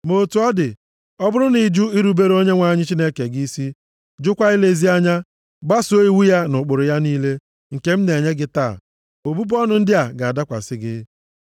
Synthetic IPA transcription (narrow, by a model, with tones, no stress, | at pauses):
mo˨tu˨ɔ˦dɪ˨ | ɔ˦bʊ˦ɾʊ˦ni˨d͡ʒu˦i˦ɾu˨˦be˦ɾo˦ɲe˦ŋʷa˨ɲɪ˦t͡ʃi˦ne˦ke˨ɡi˦si˦ | d͡ʒʊ˦kʷa˦i˦le˦˨zi˦a˦ɲa˦ | ɡ͡ba˦so˦i˦wu˦ja˦nʊ˨k͡pʊ˨ɾʊ˨ja˦niː˦le˦ | ŋ̩˨ke˦m̩˦ne˨ɲe˦ɡɪ˦ta̰ː˦˨ | o˨bu˦bɔ˦nʊ˨n̩˦dɪ˦a˨ɡa˨a˨da˦kʷa̰˨sɪ˦ɡɪ˦